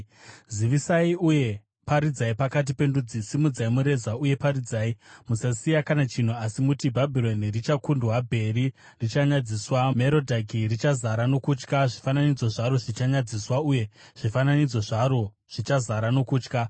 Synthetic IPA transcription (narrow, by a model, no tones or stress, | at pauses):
ziʋisaiuje̞ | paɾid͡zaipakat̬ipe̞ndud͡zisimud͡zaimuɾe̞zauje̞paɾid͡zaːimusasijakanat͡ʃin̤uasimutibʱabʱilo̞nirit͡ʃakundwabʱe̞ɾi | rit͡ʃaɲad͡ziswame̞ɾo̞dʱakirit͡ʃazaɾano̞kut͡ʃkaʐifananid͡zoʐaɾoʐit͡ʃaɲad͡ziswauje̞ | ʐ̥ifananid͡zoʐaɾo̞ | ʐ̥it͡ʃazaɾano̞kuːt͡ʃka